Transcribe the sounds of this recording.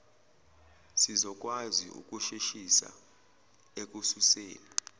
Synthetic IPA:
sizɔk̬ʼwaziṵk̬ʼuʃiʃisa̰ | ek̬ʼususḛːni

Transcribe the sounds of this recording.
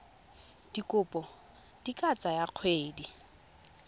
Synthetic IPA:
d̥ikʼʊpʼɔ | d̥ikʼat͡sʼajaq͡χʰweːdi

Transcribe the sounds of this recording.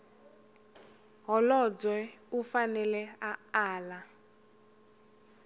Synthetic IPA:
ɦɔlɔd͡zwɛufanɛlɛaaːla

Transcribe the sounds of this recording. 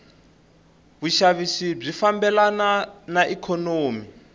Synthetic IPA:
βuʃaβisib͡ʐifambɛlananaʔikʰɔnoːmi

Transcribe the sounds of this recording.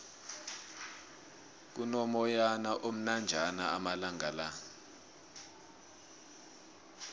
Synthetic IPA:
k̬unɔmɔjanaʔom̩nand͡ʒʱanaamalaŋɡala

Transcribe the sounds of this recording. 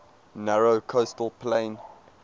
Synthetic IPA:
næɹokʰostəl̩ˠpʰlẽɪ̃n

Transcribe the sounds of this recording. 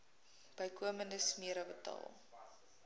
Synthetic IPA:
b̥əjkuəməndəsmiəɾəbətɑ̰ːlˠ

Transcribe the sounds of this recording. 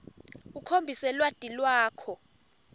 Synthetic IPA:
ukʰombʱisɛlwad̥ʼʱilwaːkʰɔ

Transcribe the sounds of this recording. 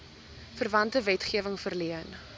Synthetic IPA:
fərvɐntəvɛtχiəvəŋfərliən

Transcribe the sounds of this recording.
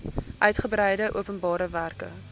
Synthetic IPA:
ʔœɥtχəbɾɛjdəʔṵəpənbɑːɾəværkə̰

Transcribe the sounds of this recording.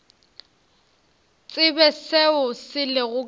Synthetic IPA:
t͡sʼɪbɛseʊsɪlɪɣʊ

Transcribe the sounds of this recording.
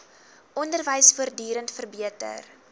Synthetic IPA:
ʔɔndərvəjsfuərdyːɾəntfərbiətə̰r

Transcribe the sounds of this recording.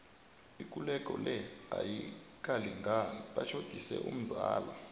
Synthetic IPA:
ik̬ʼulɛkʼɔlɛajik̬ʼaliŋɡʱaɓat͡ʃʰod̥ʱisɛ̰ʔum̩zaːla

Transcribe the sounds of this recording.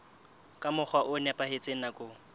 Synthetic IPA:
kʼamʊk͡xʰwaʔʊnɛpʼahet͡sʼeŋ̩nakʼʊ

